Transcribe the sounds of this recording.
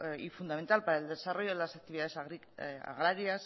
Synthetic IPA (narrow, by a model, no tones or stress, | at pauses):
ifund̪ame̞nt̪alpaɾaeld̪esaro̞jo̞ðelasak̚t̪iβiðaðesɣi | a̰ɣ̞ɾaɾias